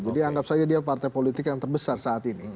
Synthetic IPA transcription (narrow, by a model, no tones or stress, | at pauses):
d͡ʒadiaŋɡap̚sad͡ʒadiapart̪ajpolit̪ɪkjaŋt̪ərbəsarsaːt̪ini